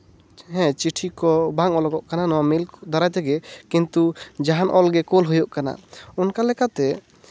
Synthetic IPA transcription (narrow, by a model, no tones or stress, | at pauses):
ɦɛ̃t͡ʃiʈʰikɔbaŋɔlɔɡɔʔkananɔwamilkɔd̪ɔɾat̪ɛɡɛkint̪ud͡ʒaɦanʔɔlɡɛkolɦujɔʔkana̰ɔnkalɛkat̪ɛ